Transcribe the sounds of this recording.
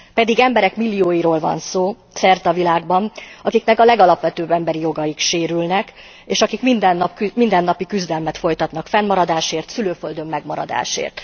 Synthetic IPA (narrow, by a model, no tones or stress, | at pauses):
pɛd̪iɡɛmbɛɾɛkmilːijoːjiɾoːlvɒ̰nsoː | sɛrt̪ɒvilaːɡbɒnɒkiknɛkɒlɛɡɒlɒpʋɛt̪øːbːɛmbɛɾijo̞ɡɒjikʃeːɾylnɛk | eːʃɒkikmind̪ɛnːɒpkmind̪ɛnːɒpikyzd̪ɛlmɛt̪fo̞jt̪ɒt̪nɒkfɛnːmɒɾɒd̪aːʃeːrt̪syløːføld̪ø̞mːɛɡmɒɾɒ̰d̪a̰ːʃḛːrt̪